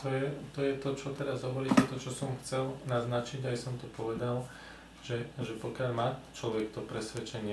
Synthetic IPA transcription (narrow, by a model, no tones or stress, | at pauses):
t̪ɔjɛt̪ɔjɛt̪ɔt͡ʃɔt̪ɛɾazɦɔʋɔɾiːcɛt̪ɔt͡ʃɔsɔmxt͡sɛlnaznat͡ʃiɟajsɔmt̪ɔpɔʋɛd̪al | ʒ̥ɛʒɛpɔkɪaʎmaːt͡ʃlɔʋɛkt̪ɔpɾɛsʋɛt͡ʃɛɲɪɛ